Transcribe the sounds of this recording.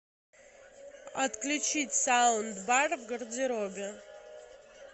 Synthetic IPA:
a̰t̪klʲut͡ʃʰitʲsawnd̪barvɡərd͡zeɾobʲa

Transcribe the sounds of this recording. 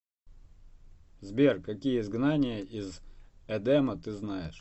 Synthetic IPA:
zbʲerkɐkʲijəɪzɡnanʲɪjəʔizɛd̪ɛmət̪ɨznajɪʂ

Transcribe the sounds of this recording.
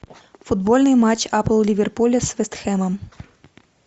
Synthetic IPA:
fud̪̚bɔlʲnɨjmat͡ɕapl̩ˠlʲivʲɛrpulʲɛsvʲɛst̪xɛmɐm

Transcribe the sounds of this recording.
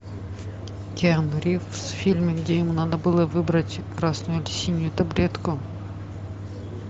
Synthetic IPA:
kʲenʊɾʲifsfʲilʲmʲɪɡdʲejɪmunad̪əbɨlˠəvɨbɾətʲkɾasnʊjʊlʲɪsʲinʲːʊjʊt̪ɐbɾʲet̪kʊ

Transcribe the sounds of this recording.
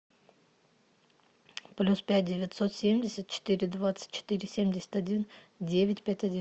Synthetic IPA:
plʲuspʲæt̚ʲdʲɪvʲɪt̪sot̪sʲemʲdʲɪsʲət̪̚t͡ɕɪ̥t̪iɾʲɪd̪vat̪sɨ̥t̪ʲt͡ɕːɪ̥t̪ɨɾʲɪsʲemʲdʲɪsʲə̥t̪ʲɐdʲin | dʲevʲɪtʲpʲætʲɐdʲi

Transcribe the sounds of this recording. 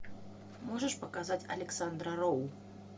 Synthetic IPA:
mɔʐɐʂpɐkazat͡sʲɐ̰lʲɛksand̪ɾɐɾɔw

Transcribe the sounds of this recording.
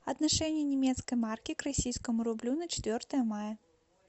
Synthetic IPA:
ɐd̪naʂɛnʲɪjɛnʲɛmʲɛt̪skɐjmarkʲikrasʲijskəmuɾublʲunɐt͡ɕɛ̥t̪vʲɔrt̪əjɐmajɐ

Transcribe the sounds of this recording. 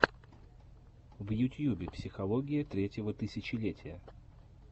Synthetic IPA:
vjʊtʲjubʲɪpsʲɪxɐlˠoɡʲɪjət̪ɾʲetʲjɪvət̪ɨsʲɪt͡ɕɪlʲetʲɪjə

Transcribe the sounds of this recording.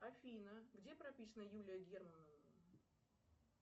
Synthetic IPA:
ɐfʲinəɡdʲepɾɐpʲisənəjulʲɪjəɡʲermnəvə

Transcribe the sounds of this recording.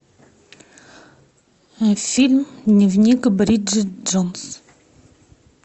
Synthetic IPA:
filmnəvnikbɾidd͡ʒd͡ʒɔns

